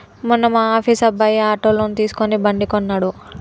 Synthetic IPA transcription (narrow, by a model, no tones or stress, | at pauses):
munːɐmaːaːpʰiːsɐbːɐjiaːʈoːloːnut̪iːsu̥konibɐɳɖikɔnːaːɽu